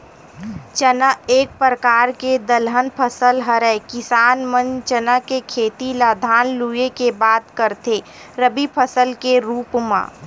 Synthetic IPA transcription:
t͡ʃənəeːk̚pɾəkaːɾked̪əlɦənpʰəsəlɦəɾəkɪsaːnmə̃nt͡ʃənəkekʰeːt̪ilaːd̪ʱaːnlujekebaːt̪kəɾt̪ʰe | ɾəbipʰəsəlkeɾuːpmã̰ː

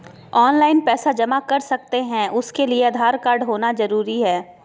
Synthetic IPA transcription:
ɔːnlaːɪnpɛːsad͡ʒɐmakɐɾsɐk̚t̪eɦɛ̃ʔʊskelieɐd̪ʱaːɾkaːɾɖɦoːnazɐɾuːɾiɦɛː

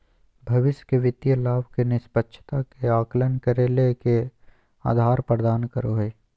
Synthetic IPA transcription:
bʱɐʋɪsjkeʋɪt̪jəlaːbkenɪspətːʃʰt̪akeaːklənkəɾeːleke | a̰ːd̪ʱaːɾpɾəd̪aːnkəɾoːɦeː

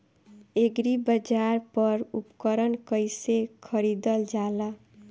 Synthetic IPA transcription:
eɡɾibʌd͡ʒaɾpʌɾupkʌɾʌnkʌjsekʰʌɾid̪ʌld͡ʒalʌ

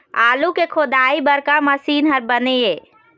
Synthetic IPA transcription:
aːlukekʰod̪aibəɾkaməsiːnɦəɾbəneje

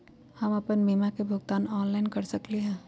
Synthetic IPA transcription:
hɐmɐpənbiːmakebʱʊɡt̪aːnɔːnlaːɪnkɐɾsɐkleɦɛ̃ː

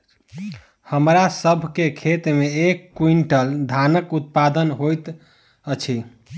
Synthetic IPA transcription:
həmɾasəbʱkekʰet̪meekːuiɳʈəld̪ʱanəkut̪̚pad̪ənɦojt̪ | ət͡ʃʰi

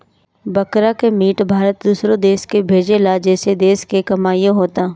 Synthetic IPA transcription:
bɐkɾakemiːʈbʱaːɾət̪̚d̪uːsɾõd̪eːskebʱeːd͡ʒelad͡ʒɛːsed̪eːskekɐmaːjõɦoːt̪aː

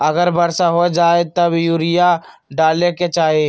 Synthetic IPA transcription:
ɐɡəɾbɐɾsaɦod͡ʒaːet̪ɐbjuːɾɪjaɖaːleket͡ʃaːɦie

